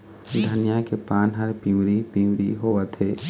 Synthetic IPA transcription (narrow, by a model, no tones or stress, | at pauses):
d̪ʱənjakepaːnɦəɾpĩːwɾipĩːwɾiɦoat̪ʰeː